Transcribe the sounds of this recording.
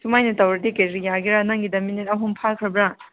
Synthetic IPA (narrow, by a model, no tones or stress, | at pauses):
sʰumajnɐtawɾɐdikeɾɾijaɾɡiɾanaŋɡidɐminetɐɦumpʰakʰɾɐbɾa